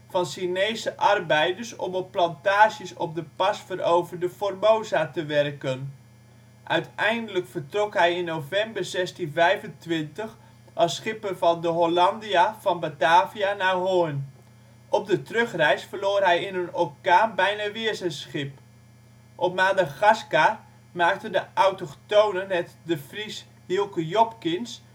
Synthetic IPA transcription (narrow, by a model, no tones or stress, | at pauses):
fɑnsinejsəʔɑrbɛjdəɹsɔ̰mɔpːlɑntaːʃəsɔp̚dəpɑsfərowvərdəformowzatəʋɛrkən | ʔœɥtɛjndələkfərtrɔkɦɛjɪnːowvɛmbərzɛstinvɛjvəntʋɪntəx | ʔɑlˠsχɪpəvɑndəɦolɑndijavɑnbataːvianaɦoən | ʔɔp̚dətrøχrɛjsfərloːrɦɛjɪnənokaːnbɛjnaʋɪəsəsχɪp̚ | ʔɔpmaːdəɣaska | maːk̚təndəʔawtəχtownənːɛtdəfris | hilˠkəjɔpkɪns